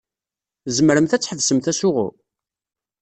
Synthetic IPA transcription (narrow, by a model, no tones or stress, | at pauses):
zəməɾəmθæt͡sːħəðsəmθæsʊʁʊ̰